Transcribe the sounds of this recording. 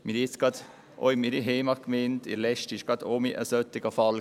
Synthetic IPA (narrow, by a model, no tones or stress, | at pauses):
miɾɪt͡sɡ̥ɑd̪ | ʔo̰ɪmiɾiɦeːmɑkmentɪ̰ɾlɛʃtɪʃɡ̥ɑd̪oːmiʔə̰sœt̪ːɪɡ̥əfɑl